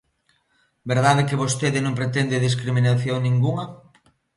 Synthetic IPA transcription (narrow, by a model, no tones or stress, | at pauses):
beɾð̞aðekɪβost̪eðɪnõmpɾet̪end̪eðis̬kɾiminaθjoŋnĩŋɡuŋɐ